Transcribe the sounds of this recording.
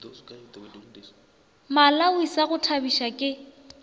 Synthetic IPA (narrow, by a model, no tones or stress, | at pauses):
malawisaɣʊtʰabiʃakʼɪ